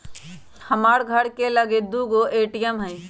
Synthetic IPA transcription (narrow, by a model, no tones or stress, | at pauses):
həmaːɽɡʱəɽkeləɡed̪uɡoʔeːʈijəmɦə̃ĩ